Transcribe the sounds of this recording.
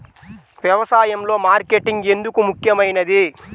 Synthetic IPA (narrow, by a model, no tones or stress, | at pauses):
ʋjɐʋɐsaːjɐmlo̞ːmaːɾkeʈːiŋɡe̞nd̪ukumukjɐmɐjnɐd̪i